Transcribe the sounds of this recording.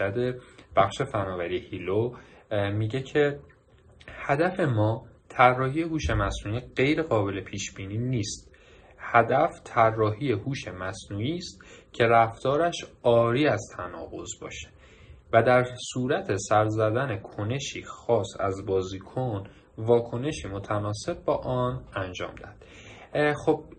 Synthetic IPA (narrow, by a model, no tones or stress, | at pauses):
æd̪eb̥æxʃe̞fænɒːvæɾiehiːlo | miɟe̞cʰe̞ | hæd̪æfe̞mɒːt̪ʰærːɒːhije̞huːʃe̞mæsnuːiːɢe̞jɾeɣɒːbe̞le̞pʰiːʃb̥iːniːniːst̪ | hæd̪æft̪ʰærːɒːɦiːje̞huːʃe̞mæsnuːiːst̪cʰe̞ɾæft̪ɒːɾæʃɒːɾiːæzt̪ʰænɒ̰ːɣo̞̰zbɒ̰ːʃe̥ | væd̪æɾsuːɾæt̪ʰe̞sæɾzæd̪ænekʰo̞ne̞ʃiːxɒːsæ̰zbɒːziːkʰon | vɒːkʰone̞ʃiːmo̞t̪ʰænɒːse̞b̚bɒːʔɒnænd͡ʒɒ̰ːmd̪æhd̪̥ | xob̥̚